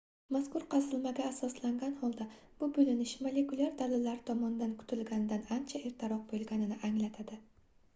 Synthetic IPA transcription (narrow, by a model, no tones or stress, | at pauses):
maskʊɾqʰɑzɪlmaɡʲaːsɒslaŋɡʲanhɒlˠd̪a | b̥ʊbɵlɪnɪʃmalekʊlʲˠaɾd̪alɪlːaɾɪt̪ʰɒmɒnd̪ankʰʊ̥t̪ʰɪlɡʲanɪd̪anant͡ʃʰaeɾt̪ʰɪɾɒq̚bolˠɡʲanɪnɪʔaŋlat̪ʰad̪ɪ